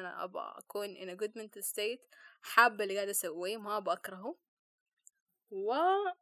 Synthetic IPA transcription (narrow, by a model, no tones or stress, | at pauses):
ana̰ʔa̰ba̰ʔa̰kuːnʔɪ̰naɡʊd̪mɪnt̪sːeːt̪ħabːɪlːiɡaːd̪ʔasawːimaʔabʔakɾˤɑɦu | wa